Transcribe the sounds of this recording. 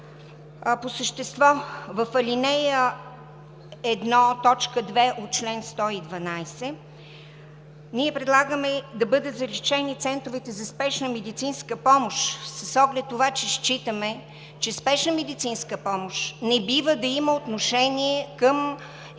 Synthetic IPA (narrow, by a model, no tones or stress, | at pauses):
posəʃt̪ɛst̪vɔvəfɐlʲinɛjə | ɛd̪nɔt̪ɔt͡ʃkəd̪vɛʔot̪̚t͡ʃlɛnst̪ɔid̪vɐnajsɛ | niɛpɾɛd̪lˠaɡəmɛd̪ɐbɤd̪ɛzɐɾit͡ʃɛnit̪sɛnt̪ɾʊvɛt̪ɛzɐspɛʃnəmɛd̪it̪sinskəpɔmoʃsəsɔɡlɛt̪ːovat͡ʃɛʃt͡ʃit̪əmɛ | t͡ʃɛspɛʃnəmɛd̪it̪sinskəpɔmoʃnɛbivəd̪ɐiməot̪noʃɛnʲiɛkəm